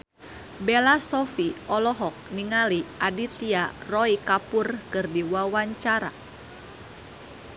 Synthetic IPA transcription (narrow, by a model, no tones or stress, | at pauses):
bɛlasɔfiʔɔlɔɦɔk̚niŋaliʔadit̪iarɔikapurkɨrdiwawaɲt͡ʃaɾa̰